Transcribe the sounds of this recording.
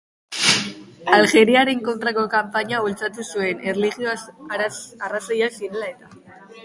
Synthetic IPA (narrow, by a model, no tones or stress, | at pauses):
alɣe̞ɾiaɾe̞ŋko̞nt̪ɾako̞kampaɲault͡sat̪usue̞nerliɣio | arasojasiɾe̞lae̞t̪a